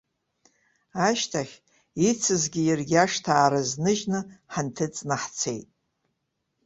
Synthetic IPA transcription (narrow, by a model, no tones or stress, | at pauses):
aʃtʰaχʲ | it͡sʰɨzɡʲijɪrɡʲaʂtʰaːɾɨznɨʒnɨħantʰɨt͡sʼnaħt͡sʰe̞jtʼ